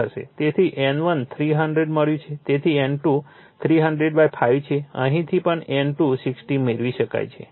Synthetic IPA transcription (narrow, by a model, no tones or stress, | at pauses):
əɾʃḛt̪et̪ʰiʔenʋənt̪ʰɾiɦəɳɖɾeɖməɭjũt͡ʃʰet̪et̪ʰienʈu | t̪ʰɾiɦəɳɖɾeɖbajpʰajʋt͡ʃʰeə̰̃ɦĩt̪ʰipəɳenʈusiksʈimeɾʋiʃəka̰jt͡ʃʰḛ